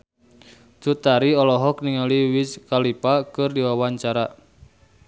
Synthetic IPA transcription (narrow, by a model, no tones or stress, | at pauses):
tut̪aɾiɔlɔɦɔkniŋaliwiskalipakɨrdiwawaɲt͡ʃaɾa